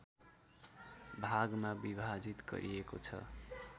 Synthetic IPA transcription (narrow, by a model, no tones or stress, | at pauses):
bʱaɡmabibʱad͡zit̪ɡʌ̰ɾʔḭeko̰t͡sʰʌ̰